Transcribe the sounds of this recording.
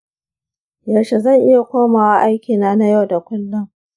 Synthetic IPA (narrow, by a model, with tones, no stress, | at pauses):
jɐ˨ʃe˨zɐ˦˨ŋʔɪ˦ja˨kʷoː˦maː˨wa˦ʔa˦jkʲiː˨naː˦na˦ja˦˨wda˨kʷʊ˦lːʊ˦ŋ